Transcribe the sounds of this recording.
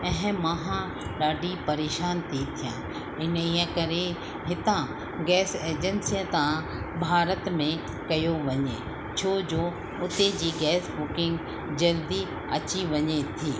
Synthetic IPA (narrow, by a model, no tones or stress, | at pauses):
ɛ̃ɦɪ̃mɐɦã | ɖaːɖʱipɐɾeːʃaːnt̪ʰit̪ʰijã̰ | ɪniə̃kɐɾe | ɦɪt̪ã | ɡɛːseːd͡ʑənsijə̃t̪ã | bʱaːɾət̪mẽ | kɐjoʋɐɲe | t͡ɕʰoːd͡ʑoː | ʊt̪ed͡ʑiːɡɛːsbʊkɪ̃ŋɡ | d͡ʑɐld̪i | ɐt͡ɕiʋɐɲet̪ʰiː